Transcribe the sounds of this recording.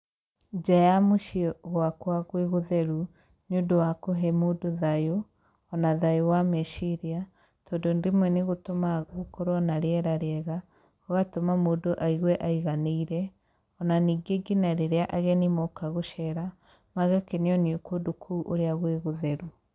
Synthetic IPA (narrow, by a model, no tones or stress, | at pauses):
d͡ʒajamoʃiɣwakwaɣweɣoðɛɾu | njudowakoɦɛmoːdoðajo | ɔnaðajowamɛʃiɾia | tɔːndondemwɛneɣotomaɣokoɾɔnaɾeɛɾaɾeɛɣa | ɔɣatomamoːdoʔaiɣwɛʔaiɣaneiɾɛ | ɔnaniːɡeɡinaɾeɾeaʔaɣɛnimɔkaɣoʃɛɾa | maɣakeneɔniokodokʰuʔo̰ɾeaɣweɣoðɛɾu